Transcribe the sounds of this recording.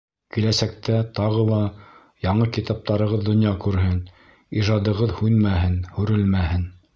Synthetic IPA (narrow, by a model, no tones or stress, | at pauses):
kilæsæk̚t̪æt̪ɑʁɤlˠɑ | jɑɴɤkit̪ɑp̚t̪ɑɾɤ̆ʁɤðd̪ŏnjɑkʉɾɦɘn | iʒɑd̪ɤ̆ʁɤðhʉnmæɦɘnhʉɾɘlmæhɘn